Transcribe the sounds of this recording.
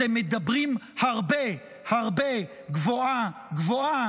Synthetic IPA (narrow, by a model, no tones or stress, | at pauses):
emːed̪abʁimhaʁbe | haʁbe | ɡvoaɡvoa